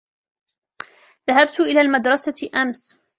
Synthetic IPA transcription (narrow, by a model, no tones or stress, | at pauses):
ðaɦab̚t̪ʔɪlaːlmad̪ɾˤɑsaʔams